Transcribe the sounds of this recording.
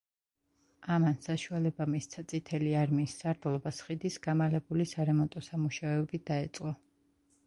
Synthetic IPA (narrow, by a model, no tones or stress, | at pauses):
amansaʃualɛbamist̪sʰat̪sʼit̪ʰɛliaɾmiːsːaɾd̪lˠɔbasχid̪isɡamalɛbulisaɾɛmɔnt̪ʼɔsamuʃaɛɔbid̪̥aɛt̪sʼqʼɔ